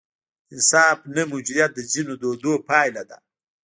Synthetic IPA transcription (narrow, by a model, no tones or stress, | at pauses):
ɪnsɑːfnamʊd͡ʒid̪jat̪̚d̪əzinod̪od̪opɑjlad̪a̰